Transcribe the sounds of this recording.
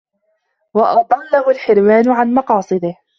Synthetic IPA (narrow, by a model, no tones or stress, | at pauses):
wɑʔɑd̪ˤɑlːahʊlħɪɾwaːnʕanmɑqɑːsˤɨd̪ɪh